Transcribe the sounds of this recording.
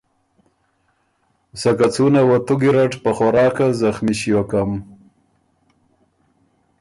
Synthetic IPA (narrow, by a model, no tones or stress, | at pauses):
sakat͡sunawat̪uɡiɾaʈpaxoɾɑːkazaxmiɕijokam